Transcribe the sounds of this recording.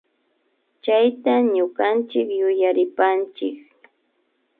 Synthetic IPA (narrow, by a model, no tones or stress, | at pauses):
t͡ʃajt̪aɲʊkant͡ʃɪkjʊjaɾɪpant͡ʃɪ̰k